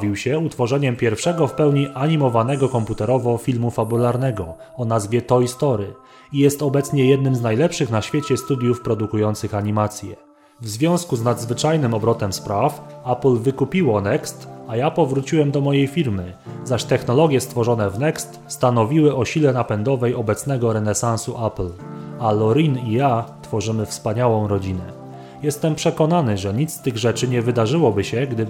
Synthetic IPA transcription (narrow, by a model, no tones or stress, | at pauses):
vʲiwɕɛut̪fɔʐɛɲɛmpʲjɛɾfʂɛɡɔfpɛwɲiʔaɲimɔvanɛɡɔkɔmput̪ɛɾɔvɔfʲilmufabulaɾnɛɡɔ | ɔnazvʲjɛt̪ɔjst̪ɔɾɘ | ijɛst̪ɔbɛt̪sɲɛjɛd̪̚nɘmznajlɛpʂɘxnaɕfʲjet͡ɕɛst̪ud̪ʲjufpɾɔd̪ukujɔnt̪sɘxaɲimat̪sʲjɛ | vzvʲjɔ̃w̃skuznad̪zvɘt͡ʂajnɘmɔbɾɔt̪ɛmspɾafaplvɘkupʲiwɔnɛkst̪ajapɔvɾut͡ɕiwɛmd̪ɔmɔjejfʲiɾmɘzaɕt̪ɛxnɔlɔɡʲjɛst̪fɔʐɔn̪ɛvnɛkst̪st̪an̪ɔvʲiwɘʔɔɕilɛnapɛnd̪ɔvɛjɔbɛt̪snɛɡɔɾɛnɛsãñsuʔaplalɔɾinijat̪fɔʐɘmɘfspaɲawɔ̃w̃ɾɔd͡ʑinɛ | jɛst̪ɛmpʂɛkɔnanɘʐɛɲit̪st̪ɘɣʐɛt͡ʂɘɲɛvɘd̪aʐɘwɔbɘɕɛɡd̪ɘ